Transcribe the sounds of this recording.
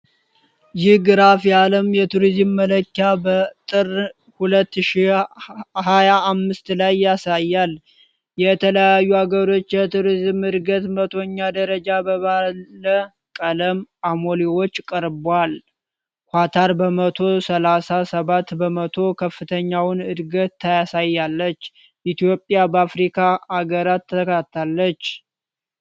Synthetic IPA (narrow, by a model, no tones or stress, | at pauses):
jɪhɡɨɾafjaləmjɛt̪ʰuɾizmːələkːjabət̪ʼɨr | hulət̪ːɨʃi | hajaːmːɨst̪lajːasajːal | jɛt̪ʰələjajːuaɡəɾo̞t͡ʃːjɛt̪ʰuɾizmhɨɾɡət̪mət̪ʰo̞ɲːad̪əɾəd͡ʒabəβaːə | kʼələmamoliwo̞t͡ʃːkʼəɾbal | hʷwʷat̪ʰaɾbəmət̪ʰo̞səlasasəβat̪bəmət̪ʰo̞kʰəfːɨt̪ʰəɲːawnɨd̪ɡət̪ʰːəjasajːalːət͡ʃː | ʔit̪ijo̞pʼjabəafɾikʰaaɡəɾat̪ʰːəkʰt̪ʰːalːət͡ʃː